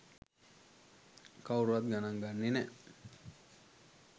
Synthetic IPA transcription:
kawɾuʋat̪̚ɡanaŋɡanːine

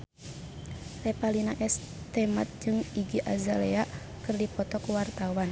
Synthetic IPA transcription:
rɛpalinaʔɛs | t̪ɛma̰t̪̚d͡ʒɨŋiɡiʔa̰zalɛaʔ | kɨrdipɔt̪ɔkuwart̪awan

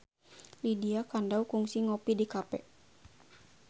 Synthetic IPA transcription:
lidiakandaukuŋsiŋɔpidikapɛ

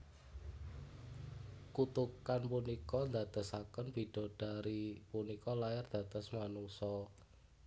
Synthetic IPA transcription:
kut̪ukanpunikɔnd̪at̪əsakənfiɖ̥ɔ̤d̥a̤ɾipunikɔlajard̪̥a̤d̪əsmanuŋsɔ

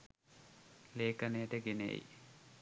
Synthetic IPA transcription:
leːkənejəʈəɡenḛj

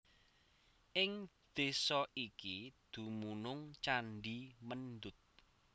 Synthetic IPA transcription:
ʔɪŋd̪̥e̤sɔʔikid̪̥ṳmunʊŋt͡ʃanɖimənd̪ʊt̪̚

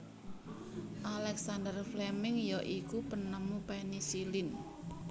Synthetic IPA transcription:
ʔalɛksand̪ərflɛmɪŋjɔʔikupənəmupɛnisilɪn

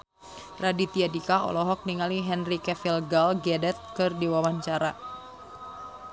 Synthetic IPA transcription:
radit̪iadikaɔ̰lɔɦɔk̚niŋaliɦɛnrikɛfilɡalɡɛdɛt̪̚kɨrdiwawaɲt͡ʃaɾa

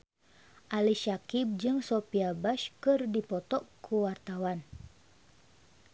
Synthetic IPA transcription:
ʔaliʃakib̚d͡ʒɨŋsopiabaʃkɨrdipɔt̪ɔkʰuwart̪awan

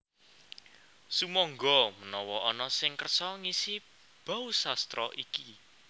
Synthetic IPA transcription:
sumɔŋɡɔmənɔwɔɔnɔsɪŋkərsɔŋisi | b̥a̤usast̪ɾɔ̰ʔiki

